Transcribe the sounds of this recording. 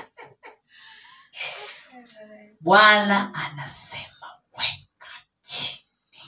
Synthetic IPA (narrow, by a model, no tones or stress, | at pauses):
ɓwanaanasɛmawɛkʰḁ | t͡ʃʰi̥n | i